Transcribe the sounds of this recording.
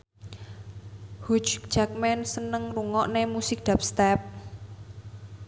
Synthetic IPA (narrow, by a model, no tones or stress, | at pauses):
hut͡ʃd͡ʒak̚mɛnsənəŋruŋɔʔnemusɪk̚d̪̥ap̚st̪ɛp̚